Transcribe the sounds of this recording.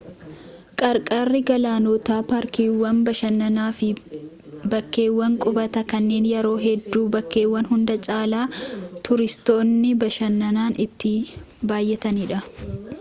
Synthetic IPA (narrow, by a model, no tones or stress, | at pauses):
kʼɐɾkʼaːrːɪɡɐlaːnɔːt̪aːpaːɾkiːwːɐnbɐʃɐnːɐnaːfɪ | bɐkːe̞ːwːɐŋkʼʊbɐt̪ɐkɐnːe̞ːnjɛɾo̞ːɦɛd̪ːuːbɐkːe̞ːwːɐnhʊnd̪ɐt͡ʃʼaːlaːt̪ʰʊɾɪst̪o̞ːnːɪbɐʃɐnːɐnaːnɪt̪ːɪ | baːjːɛt̪ɐniːᶑɐ